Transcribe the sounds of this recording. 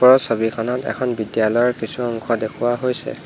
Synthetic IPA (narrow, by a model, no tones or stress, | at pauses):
pɔɹɔsobikʰɔnɔtɛ̰kʰɔnbidjalɔjɔɹkisuɔŋkʰɔdekʰuwaɦojsɛ̰